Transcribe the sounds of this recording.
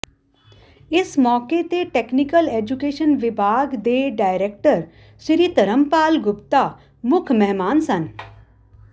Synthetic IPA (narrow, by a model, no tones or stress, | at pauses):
ɪsmɔːket̪eʈeːknikəleːd͡ʒukeːʃənʋɪbʱaːɡd̪eːɖaːɪɾeːk̚ʈəɾ | ʃɪɾiːt̪ɐɾəmpaːlɡʊpt̪a | mʊkʰmɛɦmaːnsɐn